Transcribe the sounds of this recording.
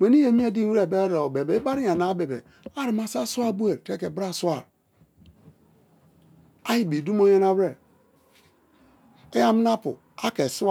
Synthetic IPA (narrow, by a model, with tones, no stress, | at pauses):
we˨ni˦je˨mi˦e˦di˦e˨be˦ɾe˨o˨be˨be˨˦ba˦ɾi˦ja˨na˨˦be˨bḛ˨ | a˦ɾi˨˦ma˨sa˦su˦a˦bu˦e˨ɾte˦ke˨bɾa˦˨su˦a˦˨ɾ | a˦ji˨bi˨du˦m˦o˦ja˦na˦we˨ | e˦ja˦m˦na˦pṵ˨ | a˦ke˨su˦˨